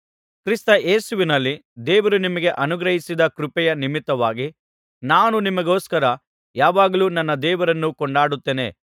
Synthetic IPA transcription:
kɾist̪ɐʔeːsuʋinɐlːid̪eːʋɐɾunimɐɡe̞ʔɐnuɡɾɐɦisid̪ɐkɾupɛjɐnimit̪ːɐʋaːɡi | naːnunimɐɡo̞ːskɐɾɐ | jaːʋaːɡɐluːnɐnːɐd̪ɛːʋɐɾɐnːukɔɳɖaːɽut̪ːeːne̞̰

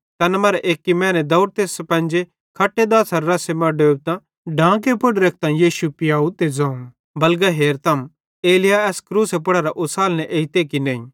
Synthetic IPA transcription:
t̪ɐːnmɐːɾɛʔeːkːimɛ̃ːnɛd̪ɐʊɾt̪eːspɛ̃nd͡ʒe | kʰɐʈːed̪aːsɐɾːɐsemɐ̃ɖoːbt̪ã | ɖãːk̬epʊɽɾɐk̚ʰt̪ãjiːʃupɪjaːut̪ed͡zãː | bɐlɡaɦeːɾt̪ʰɐm | eːlɪjaɛːskɾuːsep̬ʊɽaɾaʔʊsaːlnɛʔeːit̪ekinɛ̃ːĩ

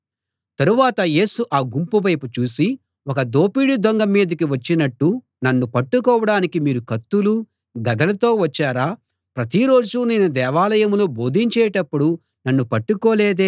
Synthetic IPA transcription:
t̪ɐɾuʋaːt̪ɐje̞ːsuʔaːɡumpuʋɐjput͡ʃuːsi | wɔkɐd̪o̞ːpiːɽid̪ʱɔŋɡɐmːiːd̪ɐkiʋɐt͡ʃːinɐʈːu | nɐnːupɐʈːukɔːʋɐɽaːnikimiːɾukɐt̪ːulu | ɡɐd̪ɐlɐt̪o̞ːʋɐt͡ʃːaːɾaː | pɾɐt̪iɾoːd͡ʒuninud̪ɛːʋaːlɐjɐmlo̞ːbo̞ːd̪ʱiɲt͡ʃɛːʈɐpːuɽu | nɐnːupɐʈːukoːleːd̪eː

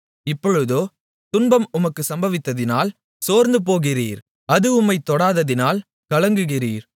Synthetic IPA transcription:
ɪpːɔɻɯðoː | t̪ʊnbɐmʊmɐkːɯsɐmbɐʋɪt̪ːɐðɪnaːl | soːɾnd̪ɯp̬oːɣɪriːɾ | ɐðɯʊmːɐɪt̪ːɔɽaːðɐðɪnaːl | kɐlɐŋɡɯɣɪriːɾ

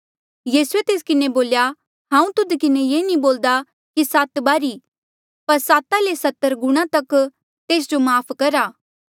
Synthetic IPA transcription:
jiːsuet̪eːs̬kɪneboːlja | ɦãːũt̪ʊd̪kɪnejeːnĩboːld̪a | kisaːt̪baːɾi | pɐɾsaːt̪alesɐt̪ːəɾɡʊɽ̃ãt̪ɐk | t̪eːs̬d͡ʒomaːpʰkɐɾaː

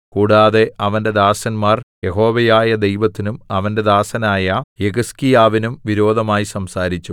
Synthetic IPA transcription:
kuːɽaːðe̞ɐʋɐnde̞d̪aːsɐnmaːrje̞ɦo̞ːʋɐjaːjɐd̪e̞jʋɐt̪ːinumɐʋɐnde̞d̪aːsɐnaːjɐjeɣɐskijaːʋinumʋiɾo̞ːd̪ʱɐmaːjisɐmsaːɾit͡ɕːu

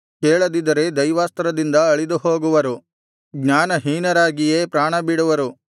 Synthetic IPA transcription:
keːɭɐd̪id̪ɐɾe̞d̪ɐjʋaːst̪ɐɾɐd̪ind̪ɐɐɭid̪uɦo̞ːɡuʋɐɾu | ɡɲaːnɐɦiːnɐɾaːɡije̞ːpɾaːɳɐbiɽuʋɐɾu

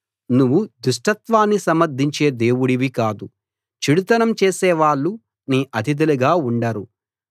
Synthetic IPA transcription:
nuʋːud̪uʂʈɐt̪ʋaːnːisɐmɐɾd̪ʱiɲt͡ʃe̞ːd̪e̞ːwuɽiʋikaːd̪u | t͡ʃiɽut̪ɐnɐmt͡ʃeːsɛːʋaːɭːu | niːʔɐt̪ʰid̪ɐliɡaːuɳɖɐɾu

